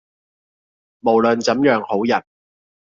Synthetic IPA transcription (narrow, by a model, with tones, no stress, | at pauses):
mo˨˩wlɵ˨nt͡sɐ˨˥mjœː˨˥ŋho˨˥wjɐ˨t̚